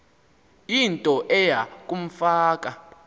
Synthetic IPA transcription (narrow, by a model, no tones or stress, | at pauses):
intʼɔʔɛjakʼum̩faːkʼa